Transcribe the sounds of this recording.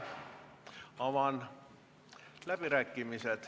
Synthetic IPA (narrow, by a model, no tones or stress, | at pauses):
ɑʋɑn | læpirækːimiset̪